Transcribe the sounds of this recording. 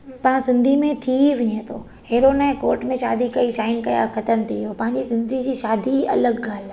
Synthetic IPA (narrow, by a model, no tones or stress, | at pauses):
pɐɦsɪ̃nd̪ʱimẽt̪ʰiʋɪɲet̪ʰoː | heːɾoːnaɛ̃koːɾʈmẽʃa̰ːd̪ʱikɐiʃaːɪnkɐja̰xɐt̪əmt̪ʰiijopɐ̃ɦɪ̃ɲd͡ʑisɪ̃nd̪ʱid͡ʑiːʃaːd̪ʱiɐ̰ləɡɡʱaːla